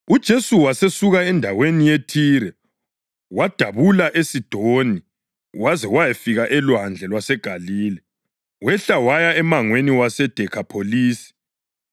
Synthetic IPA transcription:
ud̥ʒ̥ʱesuwasesuɣaɛndʱawenijetʰiɾɛ | wad̥ʱaβulaʔesid̥ʱoni | wazɛwajefiɣaʔɛlwand͡ɮʱɛlwasɛɡ̥ʱaliːlɛ | wɛɬawajaɛmaŋweniwasɛd̥ʱɛkʰapʰoliːsi̥

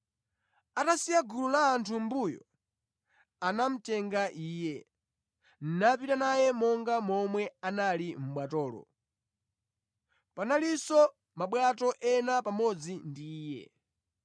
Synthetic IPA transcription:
atasijaɡululaːntʰumbujɔ̰ | anam̩tɛŋɡaʔiːjɛ | n̩napitanajɛmɔŋɡamɔmwɛanalim̩ɓwatɔːlɔ̰ | panalisɔ | maɓwatɔʔɛnapamɔd͡zindiːjɛ̰

